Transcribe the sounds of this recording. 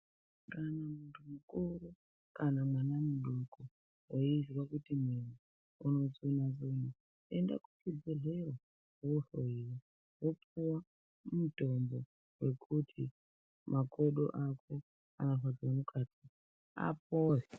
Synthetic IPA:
kanamuntumukuɾu | kanamwanamuɗuko | woizwakutimwinu | uno̞zonazono | enda̰kukid͡zeɮerwa | uɬoiri | wopuwa | umutonzo | we̞kʰutʰi | mʔakoɗo̰ʔakʰo | anaɦad͡ʒonukʰati | a̰p̚ori

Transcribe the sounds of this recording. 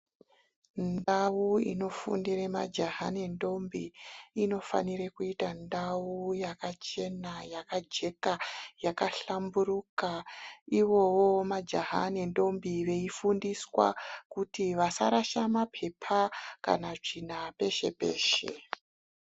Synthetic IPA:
nndawuḭno̞fṵndiremad͡ʒaɦanendo̞mbiːno̞fa̰niɾekuitandaujakat͡ʃe̞najakad͡ʒe̞kajakaɬamburukaiʋo̞wo̞mad͡ʒaɦa̰nendo̞mbiʋe̞ifundiswa̰kutiʋasa̰ɾaʃamapʰe̞pʰaka̰naʐinape̞ʃe̞̰pe̞̰ːʃḛ

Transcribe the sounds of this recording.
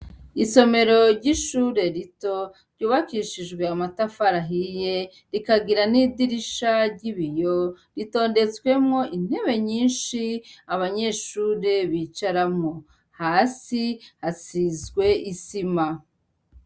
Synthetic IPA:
iso̞me̞ɾo̞ɾɟiʃuːɾe̞ɾito̞ | ɾɟuːβakiʃiʒɡwe̞amatafaɾaɦije | ɾikaɡiɾanidiɾiʃaɾɟiβijo̞ | ɾito̞ːnde̞t͡swe̞mŋo̞ʔin̥he̞βe̞ɲiːnʃiaβaɲe̞ʃuːɾe̞βiːt͡ʃaɾamŋo | haːsihasizɡwe̞ʔisima

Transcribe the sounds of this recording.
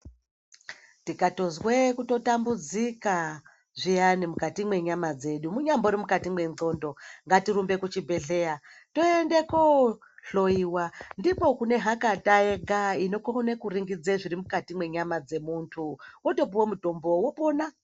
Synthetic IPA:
tikatozwekuto̞tambud͡zika | ʐijanimukatimwe̞ɲamad͡ze̞ɗumuɲamboɾimukatimwe̞nzo̞ndo̞ŋɡatirumbe̞kut͡ʃibʱe̞ɮe̞jato̞endeko | ɬo̞iwandipo̞kune̞ɦakatajeɡaino̞koɦnekuriŋɡid͡zeʐiɾimukatimwe̞ɲamad͡ze̞muntʰuwoto̞p̬iwomuto̞mbo̞wopona

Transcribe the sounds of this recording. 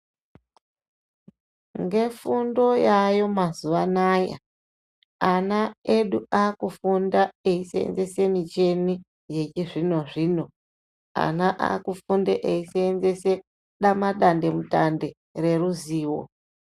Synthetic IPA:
ŋɡe̞fundo̞jajo̞mazuʋanaja̰ | anaeɗuakufundaeisḛḛnze̞se̞mit͡ʃe̞ni | je̞t͡ʃiʐino̞ʐiːno̞ | a̰naʔa̰kufundeʔeiseːnzese | ɗamaɗande̞mutande̞ | re̞ruziːwo̰

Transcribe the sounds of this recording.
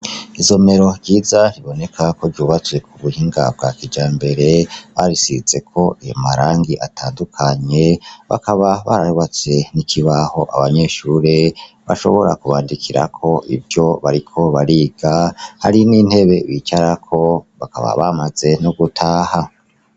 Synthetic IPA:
izo̞me̞ɾo̞ɾɟiːzaɾiβo̞ne̞kʰakoɾɟuːβat͡swe̞kuβuhiːŋɡa̰b̚ɡa̰kid͡ʒaːmbe̞ɾe̞βaɾisit͡se̞kʰo̞ijo̰maɾaːŋɡiʔataːndukʰaɲe̞βa̰kʰaβaβaɾaɾuβat͡se̞nikʰiβaho̞ʔa̰βaɲe̞ʃuːɾe | βa̰ʃo̞̰βo̞ɾakuβaːndikʰiɾa̰kʰo̞ʔḭbjo̞βaɾikʰo̞βaɾiːɡ̥ahaɾinin̥he̞βe̞βit͡ʃaɾakʰo̞βaka̰βa̰βamaze̞noɡutʰaːha

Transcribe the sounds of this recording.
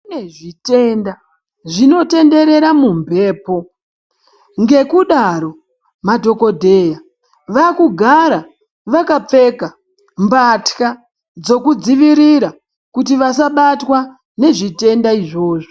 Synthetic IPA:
neʐite̞nda | ʐino̞te̞nde̞ɾe̞ɾamumbʱe̞ːpo̞ | ŋɡe̞kuɗaɾo̞ | madʱo̞ko̞dʱe̞ːja | ʋakuɡʱaɾa | ʋakap͡fe̞ka | mbatka | d͡zo̞kud͡ziʋiɾiɾa | kutiʋasaɓatwa | ne̞ʐite̞ndaiʐo̞ːʐo

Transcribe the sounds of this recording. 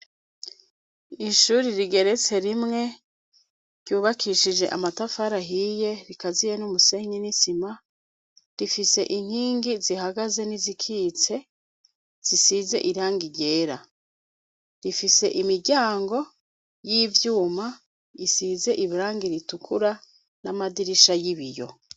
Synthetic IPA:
iʃuɾiɾiɡe̞ɾe̞t͡se̞ɾimŋe̞ | ɾ̥ɟuːβakʰiʃid͡ʒe̞ʔamatafaɾaɦije̞ɾikazijenumuse̞ɲinisima | ɾifise̞̰ʔiŋ̥hiːŋɡizihaɡaze̞nizikʰiːt͡se̞ | z̥isize̞̰ʔiɾaːŋɡiɟeːɾa | ɾifise̞ʔimiɾɟaːŋɡo̞ | jiːvjuːma | isize̞ʔiβiɾaːŋɡiɾitukʰuɾa | namadiɾiʃajiβijo̞̰

